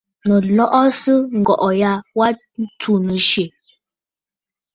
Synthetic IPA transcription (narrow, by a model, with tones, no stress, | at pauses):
nə˨lɔ˦ʔɔ˦sə˦ŋ̩˨ɡɔ˨ʔɔ˨ja˦wa˦ | tu˦˨nə˨ʃe˨